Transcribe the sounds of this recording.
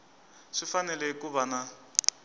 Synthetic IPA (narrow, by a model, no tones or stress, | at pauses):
ʂifanɛlɛɦikuβana